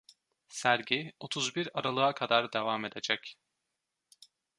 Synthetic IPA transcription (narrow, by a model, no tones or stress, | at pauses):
sæɾɟio̞t̪ʰuzbiɾaɾalˠɯakʰad̪aɾd̪evaːme̞d̪e̞d͡ʒɛc